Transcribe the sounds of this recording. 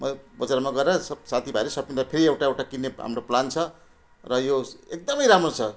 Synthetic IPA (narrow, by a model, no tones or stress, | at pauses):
mʌbʌd͡zaɾmaɡʌrɾasʌbsat̪ʰibʱaeɾʌsʌpind̪apʰeɾiewʈaewʈakinːeɦa̰mroplant͡sʰʌ | rʌjoek̚d̪ʌmʌjɾamrot͡sʰʌ